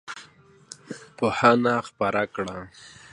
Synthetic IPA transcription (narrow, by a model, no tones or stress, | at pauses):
pohanaxpaɾakɽa